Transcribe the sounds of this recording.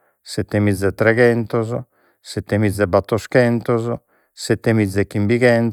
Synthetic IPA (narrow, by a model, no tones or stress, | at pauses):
sɛt̪ːemid̪zːɛt̪ːɾɛɣɛnt̪ɔzɔ | sɛt̪ːemid̪zːɛbat̪ːoskɛnt̪ɔzɔ | sɛt̪ːemid̪zːɛkːimbiɣɛn